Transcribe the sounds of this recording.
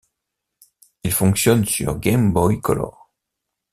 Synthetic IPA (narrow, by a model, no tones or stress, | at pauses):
ilfɔ̃ksjɔnsyʁɡʲɛmbɔjkɔ̰lɔ̰ʁ